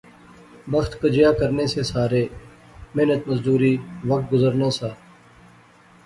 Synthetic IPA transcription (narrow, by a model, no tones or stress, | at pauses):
bəxt̪kəd͡ʒɪjaːkəɾneːseːsaːɾeː | meːnət̪məzd̪uːɾiːʋək̚t̪̚ɡʊzəɾnãːsaː